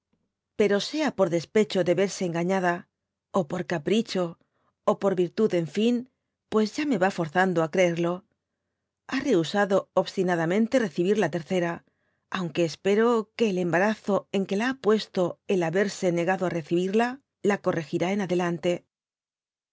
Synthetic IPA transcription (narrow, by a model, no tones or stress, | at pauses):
pe̞ɾo̞se̞apo̞ɾðe̞spe̞t͡ʃo̞ðe̞βe̞ɾse̞ːŋɡaɲaða | opo̞ɾkapɾit͡ʃo̞ː | po̞ɾβiɾt̪uðe̞ɱfin | pwe̞zʝame̞βafo̞ɾθand̪oakɾe̞eɾlo̞ | are̞usaðo̞oβst̪inaðamẽ̞nt̪e̞re̞θiβ̞iɾlat̪e̞ɾθe̞ɾa | awŋke̞ːspe̞ɾo̞ke̞ːle̞mbaɾaθo̞e̞ŋke̞laapwe̞st̪o̞e̞laβe̞ɾse̞ne̞ɣaðoare̞θiβ̞iɾla | lako̞re̞xiɾae̞naðe̞lant̪e̞